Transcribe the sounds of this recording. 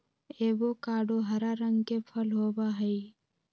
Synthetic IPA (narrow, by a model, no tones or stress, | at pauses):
eːʋokaːɖoɦəɾaɾəŋɡkepʰəlɦoːbaɦəi